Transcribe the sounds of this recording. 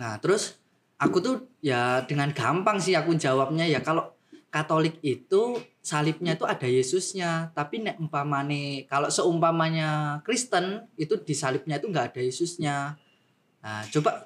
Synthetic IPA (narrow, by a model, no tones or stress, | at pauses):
ŋat̪əɾʊs | ʔakut̪ujad̥əŋanɡ̥ampaŋsɪhakuɲd͡ʒa̤wap̚ɲajakaloʔ | kat̪olɪk̚it̪u | salɪp̚ɲait̪uʔad̥a̤jesʊsɲat̪apinɛʔumpamanekaloʔsəumpamaɲakɾist̪ənit̪ud̥i̤salɪp̚ɲait̪uŋɡaʔːd̥a̤jesʊsɲa | at͡ʃob̥aʔ